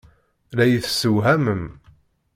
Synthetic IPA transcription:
læjəθsəwɦæməm

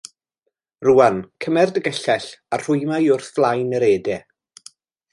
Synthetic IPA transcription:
ruːankʰəmɛrdəɡəɬɛɬar̥ʊjmajʊrθvlˠajnəɾeːdɛ

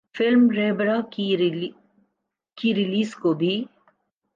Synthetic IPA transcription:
fɪlmɾeːbɾak | kiɾiliːskobʱi

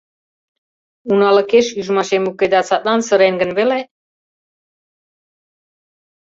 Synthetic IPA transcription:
unaləkʰɛʃyʒmaʃɛmukʰɛd̪at͡sʰat̪ʼansəɾɛnɡənvɛlɛ

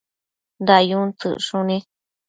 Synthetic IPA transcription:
nd̪ajũt͡sɨ̰ʔʂũnĩ

